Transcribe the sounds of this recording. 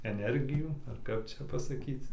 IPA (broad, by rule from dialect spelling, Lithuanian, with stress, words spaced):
ɛˈnʲɛrʲɡʲɪjuː ɐr ˈkɐp ˈt͡ʃʲɛ pɐsɐˈkʲiːt͡s